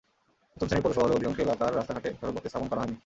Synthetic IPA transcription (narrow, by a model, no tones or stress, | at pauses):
pɾot̪ʰomsʰaniɾpoɾeʃɔɦoleod̪ikɔ̃ŋʃelat̪aɾast̪aɦaʈeʃɔɾobot̪ːist̪ʰaponkɔɾaɦɔjni